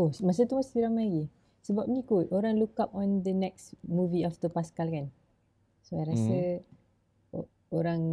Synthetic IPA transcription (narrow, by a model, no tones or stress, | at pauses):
omas̬ət̪umast̪iɾamajɡi | səbap̚nĩkotʔoɾãŋlukap̚ɔ̃nd̪ənɛk̚smuviaft̪əpaskalkan | soajɾasə | oɾãŋ